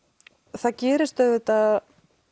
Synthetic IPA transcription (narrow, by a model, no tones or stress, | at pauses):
θaðcɛːɾɪst̪œvɪt̪að